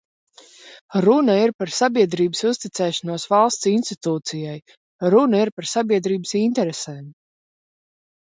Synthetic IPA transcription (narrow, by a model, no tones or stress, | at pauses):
ɾunaiɾpaɾsabiɛd̪ɾiːbə̥sust̪it̪sɛːʃanuɔsvalˠst̪sinst̪i̥t̪uːt̪sijaj | ɾunaiɾpaɾsabiɛd̪ɾiːbəsint̪ɛɾesɛːm